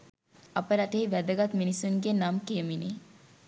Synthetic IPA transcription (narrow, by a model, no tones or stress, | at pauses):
ɐpəɾɐʈeɦiʋæd̪ɐɡɐt̪minisuŋɡenamkeːmini